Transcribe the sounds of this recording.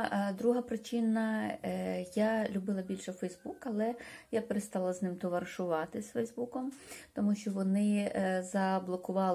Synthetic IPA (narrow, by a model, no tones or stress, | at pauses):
d̪ɾuɦɐpɾɪt͡ʃɪnɐ | jalʲʊbɪlˠɐbʲilʲʃɛfɛjzbukɐlˠɛjapeɾest̪ɑlˠɐznɪmt̪ɔʋɐrʃʊʋɑt̪ɪsfɛjzbukɔmt̪ɔmuʃt͡ʃɔʋɔnɪzɐblˠɔkʊʋɑ